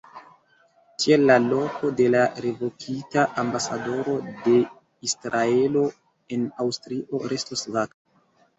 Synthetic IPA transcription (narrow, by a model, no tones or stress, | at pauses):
tielːalo̞ko̞de̞laɾe̞vo̞kʰitaʔambasado̞ɾo̞de̞ | isɾae̞lo̞ | e̞nawstɾiʔo̞ɾʔe̞stosvaka